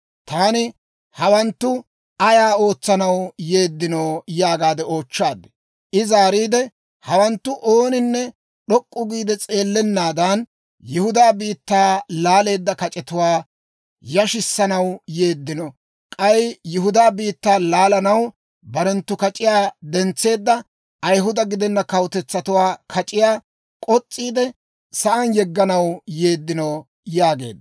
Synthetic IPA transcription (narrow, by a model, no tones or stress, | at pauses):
t̪aːnɪ | hɐwɐnt̪ːʊ | ɐjaːo̞ːt͡sːɐnɐwje̞ːd̪ːɪnoːjaːɡaːd̪ɛo̞ːt͡ʃːaːd̪ːɛ̥ | ʔɪzaːɾiːd̪ɛ | hɐwɐnt̪ːʊʔo̞ːnɪnːɛ | ɗɔkʼːʊɡiːd̪ɛt͡sʼe̞ːlːɛnːaːd̪ɐn | jʊhʊd̪aːbiːt̪ːaːlaːle̞ːd̪ːɐkɐt͡ʃʼɛt̪ʊwaː | jɐʃɪsːɐnɐwjeːd̪ːɪnɔ | kʼɐjjʊɦʊd̪aːbiːt̪ːaːlaːlɐnɐw | bɐɾɛnt̪ːʊkɐt͡ʃʼɪjaːd̪ɛnt͡sːe̞ːd̪ːɐ | ʔɐjɦʊd̪ɐɡɪd̪ɛnːɐkɐwʊt̪ɛt͡sːɐt̪ʊwaːkʰɐt͡ʃʼɪjaː | kʼɔt͡sʼːiːd̪ɛ | sɐʔɐnjɛɡːɐnɐwjeːd̪ːɪnɐw | jaːɡḛːd̪ː